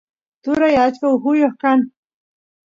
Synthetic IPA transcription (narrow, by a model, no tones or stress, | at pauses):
t̪uɾajat͡ʃkauɦujohkan